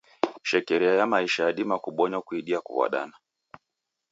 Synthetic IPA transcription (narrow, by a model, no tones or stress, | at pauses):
ʃɛkɛɾiajamaiʃajaɗimakuɓɔɲakuiɗiakṵwa̰ɗa̰na